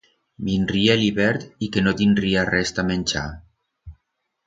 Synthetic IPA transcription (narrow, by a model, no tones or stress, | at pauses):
binrieliβɛɾt̪ikenot̪indriarɛst̪amenʲt͡ʃa̰